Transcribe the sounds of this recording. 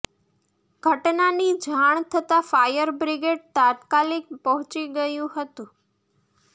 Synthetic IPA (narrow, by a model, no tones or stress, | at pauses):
ɡʱəʈnanid͡ʒʱaɳ̃t̪ʰət̪afajəɾbɾiɡeɖ̚t̪at̪kalik̚pəɦũt͡ʃiɡəjũhət̪ũ